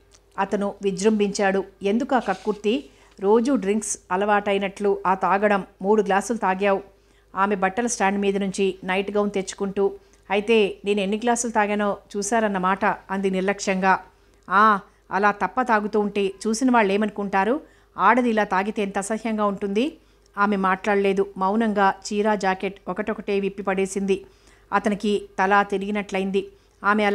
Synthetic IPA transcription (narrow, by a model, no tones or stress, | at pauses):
ɐt̪ɐnuʋid͡ʒɾɐmbiɲt͡ʃaːɽue̞nd̪ukaːkɐkːuɾt̪i | ɾo̞ːd͡ʒuɖɾiŋksɐlɐʋaːʈɐjnɐʈluʔaːt̪aːɡɐɽɐmːuːɽuɡlaːsulut̪aːɡaːwu | aːme̞bɐʈːɐlɐsʈaːɳɖmiːd̪ɐnuɲt͡ʃinɐjʈɡɐwnt̪e̞t͡ʃːu̥kuɳʈuː | ɐjit̪e̞ːne̞ːnue̞nːiɡlaːsulut̪aːɡaːnoːt͡ʃuːsaːɾɐnːɐmaːʈɐɐnd̪iniɾlɐkʂɐŋɡaː | aː | ɐ̰laːt̪ɐpːɐt̪aːɡut̪uːɳʈe̞ːt͡ʃuːsinɐʋaːɭːe̞ːmɐnukuɳʈaːɾu | aːɽɐd̪ilaːt̪aːɡit̪e̞ːnt̪ɐsɐhjɐŋɡaːuɳʈund̪i | aːme̞maːʈlaːɽɐle̞ːd̪umɐwnɐŋɡaːt͡ʃiːɾaːd͡ʒaːke̞ʈɔkɐʈɔkɐʈeːʋipːipɐɽe̞ːsind̪i | ɐt̪ɐnikit̪ɐlaːt̪eɾiɡinɐʈlɐjind̪i | aːmeɐl